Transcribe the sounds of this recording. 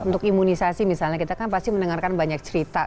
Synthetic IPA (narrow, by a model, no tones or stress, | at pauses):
unt̪ʊkimunisasimisalɲahkit̪akanpast̪imənəŋarkanbaɲak̚t͡ʃəɾit̪a